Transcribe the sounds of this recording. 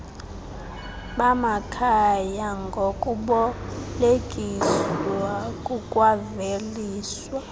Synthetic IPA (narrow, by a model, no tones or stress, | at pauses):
ɓamakʰajaŋɡʱokʼuɓɔleɡ̥ʼʱiswakʼukʼwaveliːswa